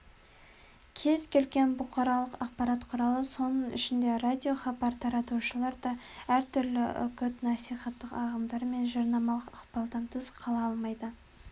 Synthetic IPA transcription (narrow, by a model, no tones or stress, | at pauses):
kʲʰe̞zkʲʰe̞lɡʲe̞nbʊqʰɑɾɑlˠəqɑq̚pɑɾɑt̪qʰʊɾɑlˠəso̞nəɴɪ̰ʃɪnd̪e̞rad̪ʲijo̞χɑbɑɾt̪ʰɑɾɑt̪uʃəlˠɑɾd̪ɑæɾt̪ʰʏɾlɪ̰ʏ̰kʲʏt̪nɑsijχɑt̪ːəqɑʁəmd̪ɑɾme̞nʒɑɾnɑmɑlˠəqɑqpɑlˠd̪ɑnt̪ʰəzqʰɑlˠɑɑlˠmɑjd̪ə